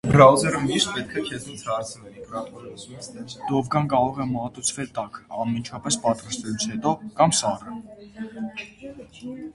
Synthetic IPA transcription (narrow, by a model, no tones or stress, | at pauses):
bɾɑwzɛɾəmiʃt̪̚pɛt̪̚kʰɛkʰɛzit͡sʰhɑɾt͡sʰvɛlik̪ | d̪̥ɔvɡɑnkɑɾɔʁɛmɑt̪ut͡sʰvɛlt̪ɑkʰɑnmint͡ʃʰɑpɛspɑt̪ɾɑst̪ɛlut͡sʰhɛt̪ɔkɑmsɑrə